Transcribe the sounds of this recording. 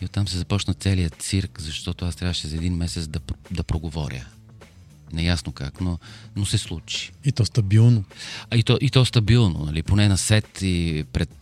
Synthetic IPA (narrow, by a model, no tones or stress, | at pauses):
iot̪ːamsɛzɐpɔt͡ʃnət̪sɛlijətt̪siɾkzɐʃt̪ɔt̪oast̪ɾʲavəʃɛzɐɛd̪inmɛsɛt̪sd̪ɐd̪ɐpɾoɡovɔɾʲjə̰ | nɛjasnokaknonosɛslˠut͡ʃi̥it̪ɔst̪ɐbilˠnoit̪ɔʔit̪ɔst̪ɐbilˠno̰nɐliponɛnɐsɛt̪ipɾɛt̪̚